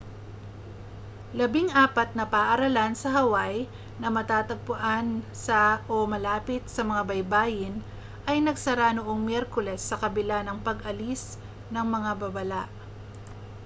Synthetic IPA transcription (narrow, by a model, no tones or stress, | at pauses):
lɐbiŋʔaːpɐt̪̚nɐpaʔɐɾɐlansɐɦɐwaj | nɐmɐt̪aːt̪ɐɡ̚pʊʔansaʔomɐlaːpɪt̪̚sɐmɐŋabɐjbaːjɪn | ʔɐjnɐɡsɐɾanoʔo̞ŋmjɛɾkʊlɛsːɐkɐbɪlanɐŋpɐɡʔɐlis | nɐŋmɐŋabɐbɐlaʔ